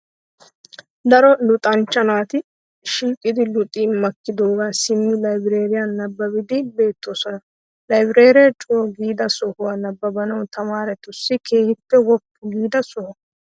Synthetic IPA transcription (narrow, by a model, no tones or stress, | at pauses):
d̪ɐɾɔlʊt̪ʼɐnt͡ʃːɐnaːt̪ɪ | ʃiːkʼːɪd̪ɪlʊt̪ʼiːmɐkːɪd̪o̞ːɡaːsɪmːɪlɐjbɪɾe̞ːɾɪjanɐbːɐbɪd̪ɪbe̞ːt̪ːo̞ːsɔnɐ | lɐjbɪɾe̞ːɾɪjɛt͡ʃʼʊɔɡiːd̪ɐsɔhʊwaːnɐbːɐbɐnɐwt̪ɐmaːɾɛt̪ʊsːɪkʰe̞ːhɪt̪ːɛwɔpːʊɡiːd̪ɐsɔhɔ